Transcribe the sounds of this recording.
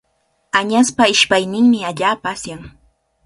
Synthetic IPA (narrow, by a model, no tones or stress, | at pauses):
aɲaspaɪʃpajnɪŋmɪaʎaːpaːsjaŋ